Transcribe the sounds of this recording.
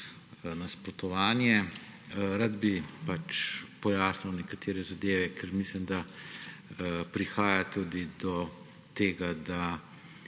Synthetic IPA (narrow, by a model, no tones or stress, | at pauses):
naspɾɔt̪ɔʋaːnjɛ | ɾad̪bipat͡ʃpɔjaːsniwnɛkat̪ʰeːɾɛzad̪eːʋɛkʰɛɾmislimd̪a | pɾixaːjat̪uːd̪id̪ɔ | t̪eːɡad̪a